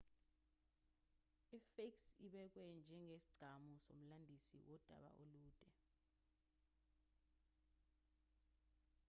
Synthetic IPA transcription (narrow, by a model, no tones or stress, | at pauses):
ifeksiɓɛk̬wɛnd͡ʒʱɛŋʱesi̥ɡ͡ǀʱamusom̩landʱisḭwʔɔd̥ʱa̰ɓa̰ʔoluːd̥ʱɛ